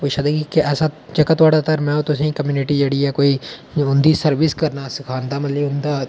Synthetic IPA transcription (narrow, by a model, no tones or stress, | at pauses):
poiʃaːd̪eɡikeɛːsaːt͡ʃəkːaːt̪aːɽaːt̪əɾmɛ̃ːot̪ʊsẽĩkəmjuːnɪʈiːd͡ʒeːɽiːɛːkoːiːʊnd̪iːsəɾʋɪskəɾnaːsɪkʰaːnd̪aːmət̪ləbʊnd̪aː